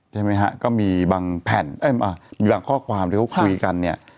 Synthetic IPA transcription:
t͡ɕʰa˥˩jma˦˥jkʰa˦˥kɔː˥˩miː˧baː˧ŋpʰɛ˨˩˦nʔa˦˥˩ʔa˧˩miː˧baː˧ŋkʰɔː˥˩kʰwaː˧mt̪i˦˧˥ka˧˥˩kʰu˧jka˧nːi˥˩ɐ

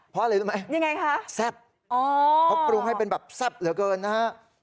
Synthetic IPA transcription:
pʰɔ˦ʔa˧la˧˦˥ma˦˥jja˧ŋa˧jkʰa˦˥ʔsɛ˥˩p̚ | ʔɔː˨˩˦kʰɔ˦˥pɾu˧ŋha˥˩jpe˧nbɛː˨˩p̚sɛ˥˩p̚lɯ˩˦kɤː˧nːaː˦˥ɦa˦˥ʔ

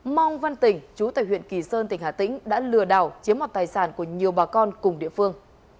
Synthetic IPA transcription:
ma˧wŋ͡mva˧nt̪ï˨˩ŋ̟t͡ɕu˨˦t̪a̰ː˧˨jw̰ənki˧˨˩səː˧nt̪ï˧˩ŋhaː˧˨˩t̪ḭ̈˧˥ŋ̟ɗa̰ː˧˥lɨ˨˩əɗa̰ː˧˨˩wt͡ɕi˨˦əmɔ˨˩t̪̚aː˨˩jsaː˧˩nku˧˩əɲi˨˩əwɓaː˨˩kɔ˧nkʊ˨˩ŋ͡mɗḭ˧˨əfɨ˧əŋ

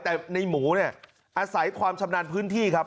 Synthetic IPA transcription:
t̪ɛː˨˩na˧jmuː˩˦ni˥˩ɐ | ʔaː˧sa˩˦jkʰwaː˧mt͡ɕʰa˧mnaː˧npʰɯː˦˥nt̪ʰiː˥˩kʰa˦˥p̚

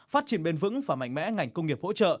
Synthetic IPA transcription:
faː˦˥t̚t͡ɕi˨˩ənɓe˧nvɨ̰˧˥ŋvaː˨˩ma̰˧˨ŋ̟mɛ̰˧˥ŋa˨˩jŋ̟kə˧ŋ͡mŋi˨˩əp̚ho̰˧˥t͡ɕə̰ː˧˨

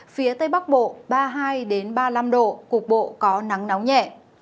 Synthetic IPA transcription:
fi˨˦ət̪ə˧jɓa˦˥k̚ɓo̰˧˨ɓaː˧ɦaː˧jɗe˨˦nɓaː˧la˧mɗo̰˧˨kʊ˨˩k̚ɓo̰˧˨kɔ˨˦na˨˦ŋna˨˦wŋ͡mɲɛ̰˧˨

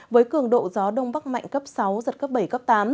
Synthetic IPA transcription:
vəː˨˦jkɨ˨˧˩əŋɗo̰˧˨zɔ˨˦ɗə˧wŋ͡mɓa˦˥k̚ma̰˧˨jŋkə˦˥p̚sa˨˦wzə˨˩t̚kə˦˥p̚ɓə˧˩jkə˦˥p̚t̪aː˨˦m

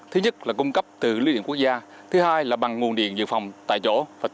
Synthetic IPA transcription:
t̪ʰɨ˨˦ɲə˦˥t̚laː˨˩kʊ˧ŋ͡mkə˦˥p̚t̪ɨ˨˩li˧ɗḭ˧˨ŋku˦˥ək̚zaː˧ | t̪ʰɨ˨˦haː˧jlaː˨˩ɓa˨˩ŋŋu˨˩nɗḭ˧˨ənzɨ̰˧˨fa˨˩wŋ͡mt̪a̰ː˧˨jt͡ɕo̰˧˥vaː˨˩

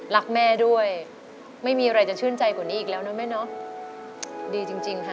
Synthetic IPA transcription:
la˦˥k̚mɛː˥˩du˥˩əj | ma˥˩jmiː˧a˧ɾa˧jt͡ɕa˨˩t͡ɕʰɯ˥˩ənt͡ɕa˧jka˨˩niː˦˥ʔːk̚lɛː˦˥wnɔ˦˥ma˦˥˩jnɔ˦˥ | diː˧t͡ɕi˧ŋt͡ɕi˧ŋkʰa˦˥˩

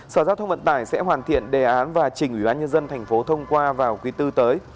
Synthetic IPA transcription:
səː˧˩zaː˧wt̪ʰə˧wŋ͡mvə̰˧˨nt̪aː˧˩jsɛ̰˧˥ɦwaː˨˩nt̪ḭ˧˨ənɗe˨˩ʔaː˨˦nvaː˨˩t͡ɕï˨˩ŋ̟ʔwi˧˩ɓaː˧nɲə˧nzə˧nt̪ʰɛ˨˩jŋ̟fo˨˦t̪ʰə˧wŋ͡mkwaː˧vaː˨˩wkwi˨˦t̪ɨ˧t̪əː˨˦j

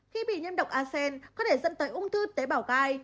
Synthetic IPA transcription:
xi˧ɓḭ˧˨ɲi˧ənɗə˨˩wk͡p̚ʔaː˧sɛ˧nkɔ˨˦t̪ʰe˧˩zə̰˧˨nt̪əː˨˦jʔʊ˧ŋ͡mt̪ʰɨ˧t̪eː˨˦ɓaː˧˩wɣaː˧˩j

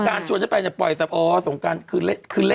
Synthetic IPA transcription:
kaː˧nt͡ɕʰu˧nt̪ʰpɛː˧nt͡ɕa˨˩pɔ̰˨˩jsa˧˩p̚ʔɔː˧so˩˦ŋkaː˧nkʰɯː˧le˦˥kʰɯː˧le˦

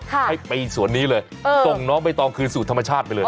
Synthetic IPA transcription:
kʰa˥ha˥˩jpa˧jsu˨˩˦ənːiː˦˥lɤː˧j | ɤː˧so˨˩ŋnɔː˦˥ŋp̬a˧jt̪ɔː˧ŋkʰɯː˧suː˨˩t̪ʰmːa˧t͡ɕʰaː˥˩t̪̚pa˧jlɤː˧j

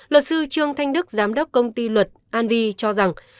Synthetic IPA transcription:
lwə˨˩t̚sɨ˧t͡ɕɨ˧əŋt̪ʰa˧jŋ̟ɗɨ˦˥k̚zaː˨˦mɗə˦˥wk͡p̚kə˧wŋ͡mt̪i˧lwə˨˩t̚ʔaː˧nvi˧t͡ɕɔ˧za˨˩ŋ

